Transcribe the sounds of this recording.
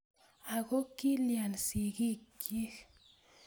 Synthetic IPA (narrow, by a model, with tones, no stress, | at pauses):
a˨ɡo˦ki˦lja˨nsi˨ɡi˦kji˦x